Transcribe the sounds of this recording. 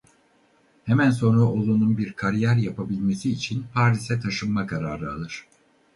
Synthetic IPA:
hemænso̞nɾao̞lˠununbiɾkʰaɾijæɾjapʰabilʲme̞siːt͡ʃʰinpʰaɾisɛt̪ʰaʃɯnmːakʰaɾaːɾɯalˠɯɾ̥

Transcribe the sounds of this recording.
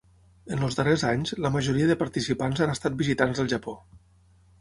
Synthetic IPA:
ənləzðərezaɲzləməʒuɾiəðəpəɾt̪isipanzanəst̪at̪̚bizit̪anzðəlˠʒəpo

